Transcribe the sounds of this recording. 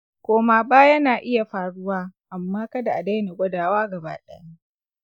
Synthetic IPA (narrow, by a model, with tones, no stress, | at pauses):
kʷoː˦maː˨baː˦jɐ˦naː˨ʔɪ˦ja˨ɸaː˨ɽʊ˦waː˦ʔa˨mːaː˦kɐ˦da˨ʔa˨da˦jna˨ɡʷɐ˦daː˨waː˦ɡɐ˨ba̰ː˦ɗɛ̰˦ja˦